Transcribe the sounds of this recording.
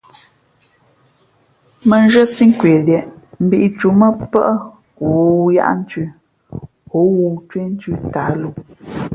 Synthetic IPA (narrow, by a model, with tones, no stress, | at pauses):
mə˨n˦ʒə˦si˦ŋ˦kwe˨ljɛ˨ʔm̩˨bi˨ʔi˨t͡ʃu˨˦mə˦pə˦ʔə˦ | wu˨ja̰˦ʔn̩˦t͡ʃʉ˦ | o˨˦wu˨t͡ʃwe˦n̩˦t͡ʃʉ˦ta˨˦lu˦˨